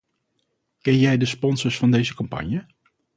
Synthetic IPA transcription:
kɛnjɛjdəspɔnsəɹsfɑndejzəkɑmpɑ̰ɲjə

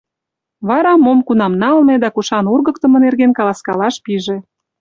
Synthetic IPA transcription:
βɑɾɑmomkunɑmnɑlmed̪ɑkuʃɑnurɣə̆kt̪ə̆mɤ̆nerɣenkɑlɑskɑlɑʃpiʒĕ

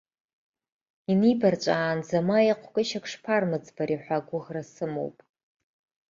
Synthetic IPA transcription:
inibart͡ʃʷʼaːnzamajaqʷʰkʼɪʃakʰʂpʰarmɨd͡zbaɾiħʷaɡʷʊʁrasɨmo̰wpʼ

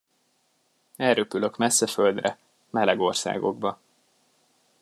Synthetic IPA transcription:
ɛlrøpyløkmɛsːɛfø̞ld̪rɛ | mɛlɛɡo̞rsa̰ːɡo̞̰ɡbɒ

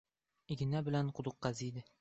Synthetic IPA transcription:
iɡʲɘ̆næbɘ̆lænqŏd̪ŭqːɑzid̪ɘ

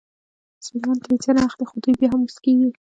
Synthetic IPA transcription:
msʊlmɑnt̪ɾet͡sanaaxd̪exod̪ujbjɑɦamuskeɡi

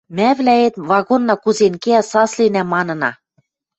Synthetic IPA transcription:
mæβlæet̪βɑɣonːɑkuzenkeæsɑslenæmɑnɤ̆nɑ̰

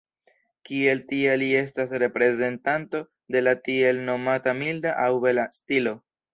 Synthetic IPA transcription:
kie̞ltielie̞s̬tasɾe̞pɾe̞ze̞ntanto̞ | de̞latie̞lno̞matamildaʔawbe̞lastilo̞

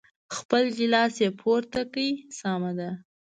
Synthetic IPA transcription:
xpəld͡ʒɪlɑsjepʰoɾt̪akaisɑmad̪a

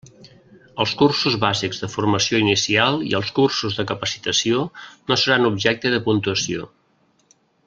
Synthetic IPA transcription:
əlˠskursuzβaziɡzðəfurməsioinisialˠḭəlˠskursuzðəkəpəsi̥t̪əsionosəɾanubʒɛk̚t̪əðəpunt̪uəsio̰

